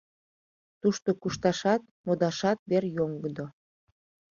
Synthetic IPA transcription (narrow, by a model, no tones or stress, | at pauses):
t̪uʃt̪okuʃt̪ɑʃɑt̪̚ | mod̪ɑʃɑt̪̚berjoŋɡəd̪o